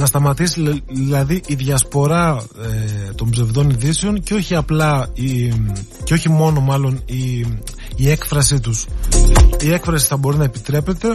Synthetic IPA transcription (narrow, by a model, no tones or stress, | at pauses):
nɐst̪ɐmɐt̪isiðilɐðiʔiðʝɐspo̞ɾɐ | et̪o̞mbze̞vðo̞niðise̞o̞nceo̞çiɐplɐi | ceo̞çimo̞no̞mɐlo̞ni | ie̞kfɾɐsit̪us | ie̞kfɾɐsi̥θɐbo̞ɾinɐepit̪ɾe̞pe̞t̪e̞